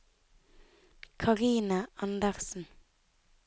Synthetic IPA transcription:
kʰɑʁiːnəʔɑnd̪æʁsn̩

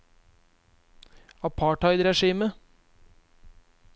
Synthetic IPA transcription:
ɑpʰɑːʈɑɪd̪ɾɛʂiːmə

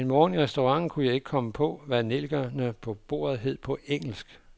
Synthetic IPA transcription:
enmɒːniʁɛsd̥oʁɑ̈ŋ̰n̩kʰujɑ̈ɪe̝ɡ̥əkʰɒ̽məpʰɒ̽ʋæne̝lɡ̥ɐnəpʰɒ̽b̥o̝̰ːɐð̞̩ˠɦe̝ð̞̰ˠpʰɒ̽eŋ̰l̩sɡ̥

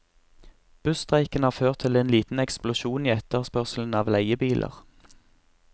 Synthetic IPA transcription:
b̥ʉst̪ʁæɪkənhɑːʁføːʁt̪ʰɪleːnliːt̪n̩ɛksplʊʃuːniːɛt̪əʁspœʁsln̩ɑːʋlæɪəbiːlʔə̰ʁ

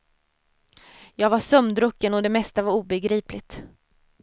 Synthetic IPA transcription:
jɑːɡvaʂœmd̪ɾɵkːənɔd̪ɛmɛst̪avaɾuːbɛɡɾiːplɪt̪

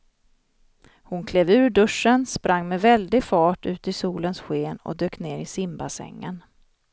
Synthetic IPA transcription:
hʊnkʰleːvʉ̟ːɾɖɵʂːənspɾʔaŋːmɛvɛld̪ɪfɑːʈʉ̟ːt̪ɪsuːlənsɧeːnɔ̰d̪øːkneːɾɪsɪmbasɛ̰ŋːən

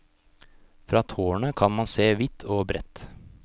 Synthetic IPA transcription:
fɾɑːt̪ʰoːəɳəkʰɑnmɑnseːʋɪt̪ʰoːbɾɛt̪

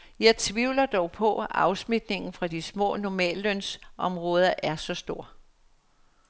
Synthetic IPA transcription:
jɑ̈ɪt͡sʰʋiʊlɐd̥ɒʊpʰɒ̽ɑ̈ʊsmid̥ne̝ŋn̩fʁɑ̈d̥ismɔ̰̽ːnɒmɛ̰ːlːønsʔɒ̽mʁɔ̽ːð̞ˠɐʔæɐsɒ̽sd̥o̝ɐ̰

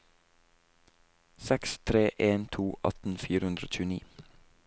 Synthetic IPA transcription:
sɛkst̪ʰɾeːʔeːnt̪ʰuːʔɑ̰t̪n̩fiːɾəʉnd̪ɾo̰ːc͡çʉːəniː

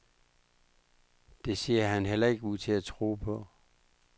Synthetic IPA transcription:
d̥e̝siɐɦænɦel̰ɐe̝ɡ̥əuð̰ˠt͡sʰe̝æt͡sʰʁo̰ːpʰɒ̽

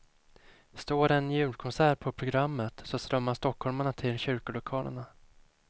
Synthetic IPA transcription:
st̪oːɾɛnjʉ̟ːlkʰɔnsæːɾpʰɔpʰɾʊɡɾamːət̪sɔst̪ɾœmːast̪ɔkhɔlmaɳat̪ʰɪlɕʏɾkʊlʊkʰɑːlə̰ɳa

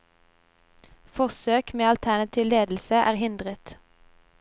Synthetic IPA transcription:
fɔʁsøːkmeːɑlt̪ʰænɑt̪ʰiːʋleːd̪l̩səʔæːʁhɪnd̪ʁət̪

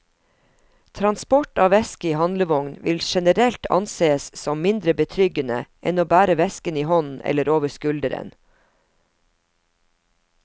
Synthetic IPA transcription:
t̪ʰɾɑnspɔʈɑːʋɛskəiːhɑnləʋɔŋnʋɪlʃɛnəɾɛlt̪ʰɑ̰nseːəssɔmmɪnd̪ɾəbət̪ʰɾʏɡənə̰ʔɛnoːbæːɾəʋɛskəniːhɔnn̩ɛ̰ləɾoːʋəskʉld̪əɾə̰n

